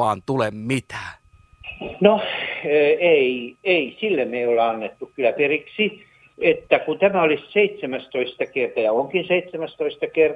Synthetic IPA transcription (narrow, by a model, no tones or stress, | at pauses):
ɑːnt̪ulemmit̪æ̥ː | noː | eieisilːemeioleɑnːet̪ːukkylæperiksi | et̪ːækut̪æmæolisseit̪semæst̪oist̪ɑkert̪ɑjɑoŋkinseit̪semæst̪oist̪ɑker